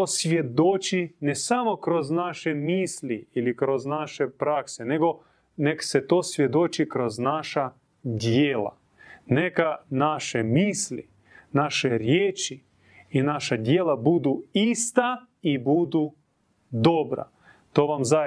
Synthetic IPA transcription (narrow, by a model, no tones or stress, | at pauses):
osʋje̞d̪ot͡ʃinesamo̞kɾoznaʃemiːsliilikɾoznaʃepɾakseneɡo̞ | nekset̪oːsʋje̞d̪ot͡ʃikɾo̞znaʃa | d̪jeːla̰ | nekanaʃemiːslḭ | naʃeɾjeːt͡ʃi | inaʃad̪jeːlabud̪uist̪a | ibud̪u | d̪obɾa̰ | t̪oːʋamza